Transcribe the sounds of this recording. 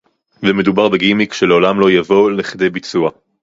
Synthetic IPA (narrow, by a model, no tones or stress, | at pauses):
vemed̪ubaʁbeɡimikʃeleolamlo̞javo̞leχidejbit͡sua